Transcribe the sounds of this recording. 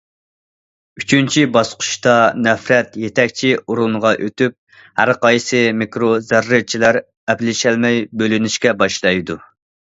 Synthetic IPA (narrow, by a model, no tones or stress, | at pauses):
y̥t͡ʃʰynt͡ʃʰibɑsqʰʊ̥ʃt̪ɑnɛfɾɛt̪jet̪ʰɛkʲt͡ʃʰiuɾunʁɑʔøt̪yp̚ | hæɾqɑjsɨmikɾozæɾːɨt͡ʃʰilæɾ | ɛplɪʃɛlmɛjbølynyʃkʲɛbɑʃlˠɑjd̪u